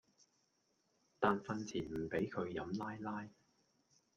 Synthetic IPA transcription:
t̪aː˨nfɐ˧nt͡sʰiː˨˩m̩˨˩pe˨˥jkʰɵ˨˧ɥjɐ˨˧˥mlaː˥jlaː˥j

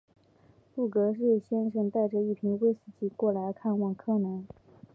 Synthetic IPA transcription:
pu˥˩kɤ˧˥ʂ̬e˥˩ɕjɛ˥nʂə˧nt̪a˥˧ɪʈ͡ʂə˧i˥˩pʰi˧˥ŋwe˥ɪsɹ̩˨˩t͡ɕi˥˩kwɔ˥˩la˧˥ɪkʰa˥˧nwɑ˥˩ŋkʰɤ˥˩nə˧˥n

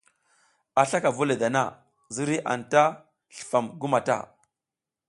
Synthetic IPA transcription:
a˨ɬa˦ka˨vu˦le˨da˨na̰˦˨ | zi˦ɾi˦ʔa̰˨nta˦ | ɬə̥˨fa˨mɡu˦ma˨ta̰˦˨

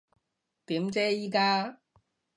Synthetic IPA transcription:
t̪iː˨˥mt͡sɛː˥jiː˨˥kaː˥

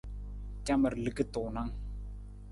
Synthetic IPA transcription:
t͡ʃa˦mə˨ɾlə˦˨kə˦t̪ʊː˨na˦ŋ

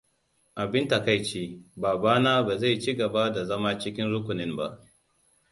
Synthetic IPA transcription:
ʔa˨bɪ˦nta˨ka˦˨jt͡ʃeː˦baː˨baː˦naː˦baː˨za˦˨jt͡ʃi˦ɡɐ˨ba˦da˨zɐ˦ma˦t͡ʃɪ˦kʲɪ˦nɾʊ˦kʷʊ˨nɪ˦mba˦ʔ

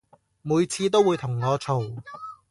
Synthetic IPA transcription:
muː˨˧jt͡sʰiː˧t̪̬o˥wːuː˨˧jt̪ʰʊ˨˩ŋŋɔː˨˧t͡sʰo˨w

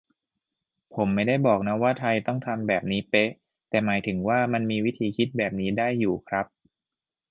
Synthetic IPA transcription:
pʰo˩˦mːa˥˩jda˥˩jbɔː˨˩k̚na˦˥waː˥˩t̪ʰa˧jt̪ɔ˥˩ŋt̪ʰa˧mbɛː˨˩p̚niː˦˥pe˦˥ʔ | t̪ɛː˨˩maː˩˦jt̪ʰɯ˩˦ŋwaː˥˩ma˧nmiː˧wi˦˥t̪ʰiː˨˩˦kʰi˦˥t̪̚bɛː˨˩p̚niː˦˥daː˥˩jːuː˨˩kʰɾa˦˥p̚

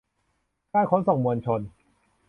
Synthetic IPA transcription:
kaː˥˩kʰoː˨˦˥nsɔ˨˩˦ŋmu˧ənt͡ɕʰo˧n

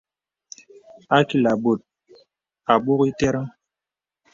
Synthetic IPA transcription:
a˦ki˨la˨bo˨t̚ | a˨ɓo˦ɣi˦tɛ˦ɾa˦

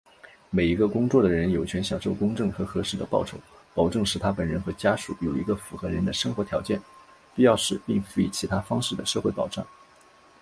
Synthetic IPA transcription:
me˨˩ɪi˧˥ɡə˧kʊ˥ŋt͡swɔ˥˩d̪ə˩ɻə˧˥njo˨˩ʊt͡ɕʰɥɛ˧˥nɕjɑ˨˩ŋʂo˥˩ʊkʊ˥ŋʈ͡ʂɤ˥˩ŋxɤ˧˥xɤ˧˥ʂɻ̩˥˩d̪ə̰˩pɑ˥˩ʊʈ͡ʂʰo˧˥ʊpɑ˨˩ʊʈ͡ʂɤ˥˩ŋʂɻ̩˥˩t̪ʰa˥pə˨˩nɻə˧˥nxɤ˧˥t͡ɕja˥ʂṵ˨˩jo˨˩ʊi˧˥ɡə˧fu˧˥xɤ˧˥ɻə˧˥nd̪ə˧ʂɤ˥ŋxwɔ˧˥t̪ʰjɑ˧˥ʊt͡ɕjɛ˥˩n | pi˥˧jɑ˥˧ʊʂɻ̩˥˧pi˥˩ŋfu˧˥ḭ˥˩t͡ɕʰi˧˥t̪ʰa˥fɑ˥ŋʂɻ̩˥˩d̪ə˩ʂɤ˥˧xwe˥˩pɑ˨˩ʊʈ͡ʂa̰˥˩ŋ

